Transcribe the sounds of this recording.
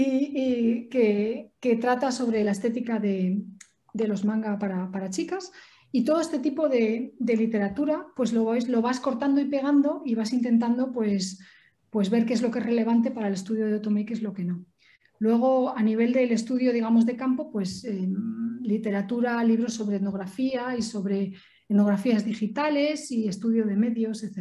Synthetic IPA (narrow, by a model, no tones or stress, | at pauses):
iikeke̞t̪ɾat̪aso̞βɾe̞lae̞st̪e̞t̪ikaðe̞ | d̪e̞lo̞zmãŋɡapaɾapaɾat͡ʃikas | it̪oð̞o̞est̪e̞t̪ipo̞ðe̞d̪e̞lit̪e̞ɾat̪uɾapwe̞zloeslo̞βasko̞ɾt̪and̪o̞ipe̞ɣ̞and̪o̞iβasint̪e̞nt̪̬and̪o̞pwe̞s | pwe̞zβe̞ɾkee̞zlo̞kee̞sre̞le̞β̞ant̪e̞paɾaele̞st̪uðjo̞ðeot̪o̞mejkee̞zlo̞ke̞no̞ | lwe̞ɣ̞o̞aniβ̞e̞ld̪e̞le̞st̪uðjo̞ð̞iɣ̞amo̞zðe̞kampo̞pwe̞selit̪e̞ɾat̪uɾaliβ̞ɾo̞sːo̞βɾe̞ːno̞ɣɾafiaiso̞βɾe̞ | eno̞ɣɾafiazðixit̪ale̞sie̞st̪uðjo̞ðe̞me̞ðjo̞seθe